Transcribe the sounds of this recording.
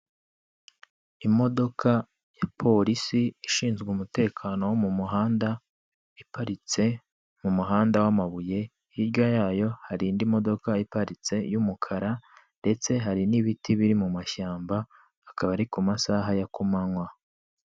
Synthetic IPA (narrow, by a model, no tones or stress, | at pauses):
imo̞do̞kʰa | japʰo̞ɾisiːʃiːnzɡumute̞ːkʰano̞womumuɦaːnda | ipaɾit͡se | mumuɦaːndawamaβuje̞ | jiɾɟajaːjo̞haɾiːndimo̞do̞kaipaɾit͡se̞jumukʰaɾande̞t͡se̞ɦaɾiniβitiβiɾimumaʃaːmbaː | kaβaɾikumasaɦajakumaŋwa